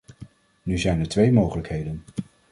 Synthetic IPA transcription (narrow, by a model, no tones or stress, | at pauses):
nyzɛjnɛɹtʋejmowχələkɦejdən